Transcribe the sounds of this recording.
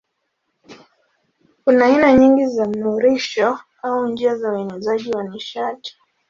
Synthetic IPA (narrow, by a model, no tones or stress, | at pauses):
kunaːinaɲiŋɡizam̩nuɾiʃɔ | aund͡ʒiazauɛnɛzaʄiwaniʃati̥